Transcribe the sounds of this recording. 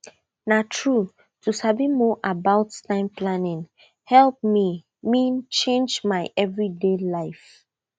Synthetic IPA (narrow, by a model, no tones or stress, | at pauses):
natʰɹu | tusabimɔʔabaʊttãɪ̃mplanĩŋ | hɛlp̚mi | mĩnt͡ʃẽnd͡ʒmaɪʔɛvɹidelaɪf